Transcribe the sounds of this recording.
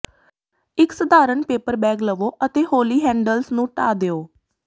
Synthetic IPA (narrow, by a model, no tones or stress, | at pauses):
ɪksəd̪ʱaːɾəɳpeːpəɾbɛːɡləʋoːʔət̪eːhoːliːɦɛ̃ːɳɖəlsnũːʈaːd̪eːoː